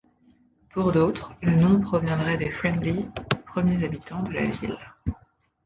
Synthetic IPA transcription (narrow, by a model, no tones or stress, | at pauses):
puʁd̪ot̪χlənɔ̃pχɔvjɛ̃d̪ʁɛd̪efχɛ̃nd̪lipχəmjezabit̪ɑ̃d̪əla̰vḭl